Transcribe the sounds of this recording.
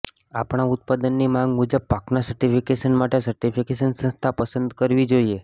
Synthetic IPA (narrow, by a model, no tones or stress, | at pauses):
apɳ̃aʊt̪̚pad̪ənːimãŋɡmud͡ʒəb̚paknasəɾʈifikeʃənmaʈesəɾʈifikeʃ̬ənsə̃nst̪ʰapəsənd̪kəɾʋid͡ʒoie